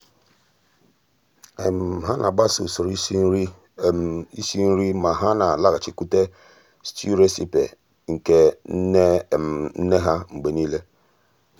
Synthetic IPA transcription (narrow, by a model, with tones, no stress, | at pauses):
e˨m̩˨ɦa˦nʔa˨ɡ͡ba˦su˨so˨ɾ | i˦si˦n̩˦ɾi˦ma˨ɦa˦na˨la˦ɣa˨t͡ʃi˨ku˦te˦ | stu˦ɾe˦si˦pḛ˨ | ŋ̩˨ke˨˦ | n̩˦ne˦ɦa˦ŋ͡m̩˨ɡ͡be˨niː˦le˦